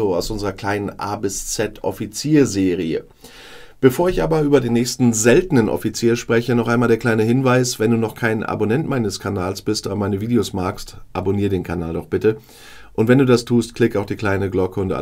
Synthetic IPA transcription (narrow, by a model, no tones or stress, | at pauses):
oaʊsʔʊnzəʁɐkʰl̥aɪnənʔa̰ːbɪst͡sɛtʔɔ̰fit͡siːɐzeːʁ̞iə̰ | b̥əfoːɐɪçʔaːbɐʔyːbɐdeːnːɛːçstn̩zɛltnənʔɔ̰fit͡siːɐʃpʁ̥ɛçənɔχʔaɪnmaːldeːɐklaɪnəɦɪnvaɪsv̥ɛnduːnɔχkʰaɪnʔa̰bonɛntmaɪnəskʰanaːlsb̥ɪstʔoːbɐmaɪnəviːdejosmaːkstʔa̰boniːɐdeːnkʰana̰ːldɔχb̥ɪtə | ʔʊntv̥ɛnduːdastʰuːstkl̥ɪkaʊxd̥iːkl̥aɪnəɡlɔkʰəʊntʔa̰